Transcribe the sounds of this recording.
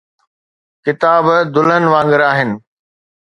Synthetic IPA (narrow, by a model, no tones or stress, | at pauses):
kɪt̪aːbd̪ʊlənɪ̆ʋãːŋɡəɾaːɦɪnɪ̆